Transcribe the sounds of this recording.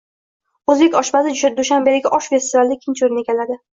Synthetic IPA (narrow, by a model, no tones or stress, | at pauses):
ɵzbekʲɒʃbasɪd̪ʊʃambeɾɪɡʲɪʔɒʃfe̞st̪ɪvald̪ɪkʲʰɪnt͡ʃʰʊɾɪnekʲʰalad̪ɪ